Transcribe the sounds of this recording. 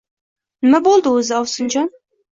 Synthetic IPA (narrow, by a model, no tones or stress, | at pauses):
nɪmabolˠd̪ɨɵzɪɒwsɨnd͡ʒɑn